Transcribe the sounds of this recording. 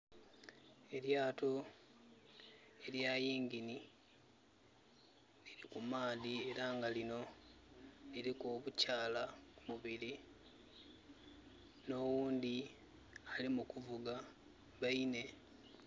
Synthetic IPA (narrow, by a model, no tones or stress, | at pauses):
e̞ljaːto̞ | e̞ljajiːŋɡini | liɾikumaːðie̞ɾaŋɡalino̞ | liɾikoːβucaːlamuβili | no̞wuːnd̪i | alimukuvuɡa | βaine̞